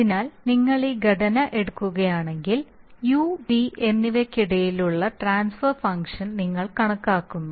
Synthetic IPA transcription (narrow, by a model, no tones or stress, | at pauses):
ɐðinaːlniŋːɐɭiɡɐɖɐnɐʔe̞ɽukːuɣɐjaːɳe̞ŋɡiljuːbiʔenːiʋɐkːiɽɐjiluɭːɐʈraːnsfɐrfɐŋkʂɐnniŋːɐɭkɐɳɐkːaːkːunːu